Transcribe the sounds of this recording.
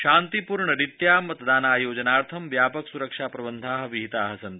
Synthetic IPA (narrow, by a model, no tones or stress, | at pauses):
ʃaːnt̪ipuɾɳəɾit̪jaːmɐt̪d̪aːnaːjoːd͡ʒɐnaːɾt̪ʰɐmʋjaːpɐksuɾəɐkʂaːpɾɐbənd̪ʱaːɦʋiɦit̪aːɦɐsɐnt̪